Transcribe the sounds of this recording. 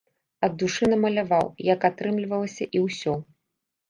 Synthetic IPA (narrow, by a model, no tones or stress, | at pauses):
ɐd̪ːuʂɨnɐmɐlʲavawjɐkat̪ɾɨmlʲivɐlˠɐsʲɐʔiwsʲɔ